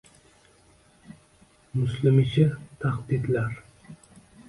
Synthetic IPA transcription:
mʊslɪmɪʃʰɪt̪ʰaqd̪id̪laɾ

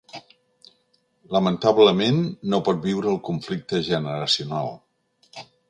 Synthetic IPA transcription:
ləmənt̪aβləmenːopɔt̪̚biwɾəːlˠkuɱflik̚t̪əʒənəɾəsiunalˠ

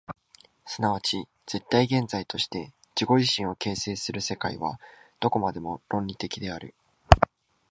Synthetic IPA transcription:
sɨnaβat͡ɕi | d͡z̥e̞t̪ːaiɡẽ̞nd͡zait̪o̞ɕi̥t̪e̞ | d͡ʑiɡo̞ʑiɕĩɰ̃o̞ke̞ːse̞ːsɨɾɯ̟se̞kaiβa̰d̪̥o̞ko̞mad̪e̞mo̞ɾõ̞ɲʲɾʲit̪e̞kʲid̪e̞aɾɯ̟

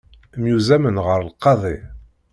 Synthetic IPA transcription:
mjuzæmənʁəɾlqːɑðˤi

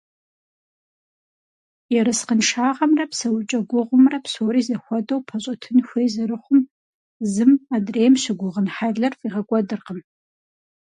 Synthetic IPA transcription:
iɾɨsqənʂaːʁɐmrɐpsɐwt͡ʃʼɐɡʷʊʁʷʊmrɐpsoːɾiːzɐxʷɔdɐwpʰɐɕʼɐtʰɨnxʷeːzɐɾɨχʷʊm | zɨmaːdreːjmɕɪɡʷʊʁənħaɮɐrfiːʁɐkʷʼɔdɨrqəm

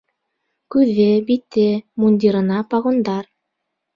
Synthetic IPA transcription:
kʉðebit̪ːemunʲd̪ʲiɾɤ̆nɑpɑʁund̪ɑr

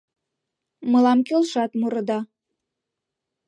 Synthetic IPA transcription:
mɤlɑmkelʃɑt̪muɾɤ̆d̪ɑ

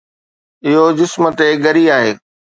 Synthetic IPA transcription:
ɪɦod͡ʑɪsmət̪eɡɐɾiaːɦeː

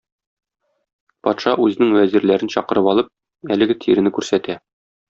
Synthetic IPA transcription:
pɒt̪ʃɑʔʉzɘ̆nɘŋwæziɾlæɾɘnɕɒqɤ̆ɾɤpɒlˠɤp̚ | ælɘ̆ɡɘt̪ʰiɾɘ̆nɘkʉɾsæt̪æ

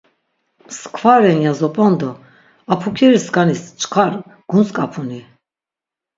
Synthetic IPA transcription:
skʰvaɾɛnjazɔpʼɔnd̪ɔ | apʰukʰɛɾiskanist͡ʃʰʼkʰaɾ | ɡ̥unskʼapʰuni

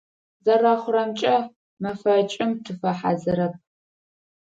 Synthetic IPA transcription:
zɐraːχʷʊrɐmt͡ʃʼɐ | mɐfɐt͡ʃʼɪmtʰɨfɐħa̰zɨɾɐp̚

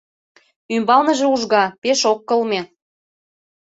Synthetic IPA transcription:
ymbɑlnə̆ʒeuʒɣɑpeʃokːɤlme

